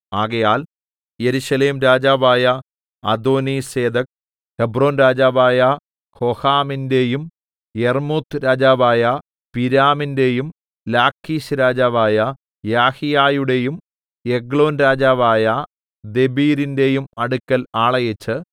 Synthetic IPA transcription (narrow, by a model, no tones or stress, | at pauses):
aːɣɐjaːl | je̞ɾuɕɐleːmɾaːd͡ʑaːʋaːjɐ | ɐd̪o̞ːnise̞ːd̪ɐk̚ | hebro̞ːnɾaːd͡ʑaːʋaːjɐ | kʰohaːminde̞jum | jermuːt̪ʰɾaːd͡ʑaːʋaːjɐ | piɾaːminde̞jum | laːkʰːiːɕɾaːd͡ʑaːʋaːjɐ | jaːhijaːjuɽe̞jum | jeɡɭo̞ːnɾaːd͡ʑaːʋaːjɐ | d̪e̞biːɾinde̞jumɐɽukʲːɐlaːɭɐjɐt͡ɕːɨ